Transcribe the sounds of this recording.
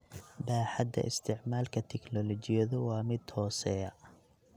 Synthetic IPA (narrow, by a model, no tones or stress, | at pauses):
baːħad̪ɐ̰ʔɪ̰st̪ʰɪʕmaːlkʰɐt̪ʰɛknɔlɔt͡ʃɪjɐðʊwɑːmɪd̪hɔːsɛjɐ